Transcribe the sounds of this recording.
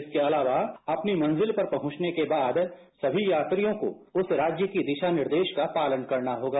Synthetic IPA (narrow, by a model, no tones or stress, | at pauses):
ɪskeɐlaːʋaɐpnimɐ̃nzɪlpɐɾpɐɦʊ̃t͡ʃnekebaːd̪ | sɐbʱijaːt̪ɾijõko̰ʊsɾaːd͡ʒjəkid̪ɪʃanɪɾd̪eːʃkapaːlənkɐɾnaɦoːɡaː